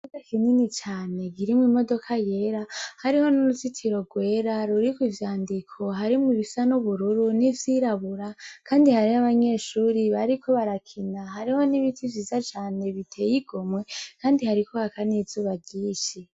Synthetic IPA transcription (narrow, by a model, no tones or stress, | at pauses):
uzakininit͡ʃaːne̞ɡiɾimŋimo̞do̞kʰaje̞ɾahaɾiho̞nuɾuzitʰiɾo̞ɡwe̞ːɾaɾuɾikwivjaːndikʰo̞ɦaɾimŋiβisanuβuɾuɾunivjiɾaβuɾakʰaːndihaɾiaβaɲe̞ʃuːɾiβaɾikʰo̞βaɾakʰinaɦaɾiho̞niβitʰivjiːzat͡ʃaːne̞βitʰe̞jiɡomŋe̞kaːndihaɾikʰo̞hakaniz̥uːβaɟiːʃi